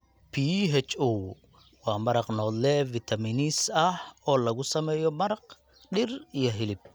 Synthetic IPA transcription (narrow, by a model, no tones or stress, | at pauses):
pʰiːɦɛt͡ʃuw | wɑːmɐɾɑqnɔːd̪lɛvit̪ʰɐminisɐhɔːlɐɣʊsɐmɛːjɔmɐɾɐq | ɖɪrijɔɦɪlɪb̚